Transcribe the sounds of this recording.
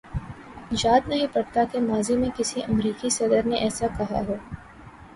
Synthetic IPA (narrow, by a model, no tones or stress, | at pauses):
jaːd̪nɐɦĩpɐɽt̪akemaːzimẽkɪsiʔɐmɾiːkisɐd̪əɾneʔɛːsakɐɦa̰ɦɛː